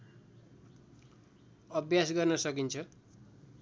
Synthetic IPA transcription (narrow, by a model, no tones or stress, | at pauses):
ʌbjasɡʌrnʌsʌkint͡sʰʌ